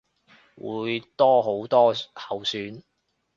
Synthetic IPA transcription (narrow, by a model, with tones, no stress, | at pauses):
wuː˨˧jt̪ɔː˥ɦo˨˥wt̪ɔː˥hɐ˨wsyː˨˥n